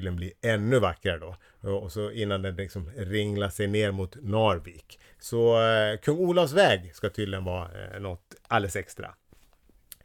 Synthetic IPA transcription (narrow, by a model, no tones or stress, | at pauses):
ɪənbliːɛnːɵvakːɾaɾəd̪ɔ | ɔsɔɪnːand̪ɛnlɪksɔmɾɪŋlaʂɛjneːɾmʊt̪nɑɾviːk | sɔkʰɵŋːuːlavs̬vɛːɡskat̪ʰʏːd̪lɪənvɑːnɔt̪alːɛsɛkst̪ɾa̰